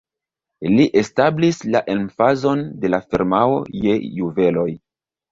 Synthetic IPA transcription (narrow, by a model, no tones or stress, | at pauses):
liʔe̞stablislaʔe̞nfazo̞nde̞lafiɾmao̰je̞juve̞lo̞j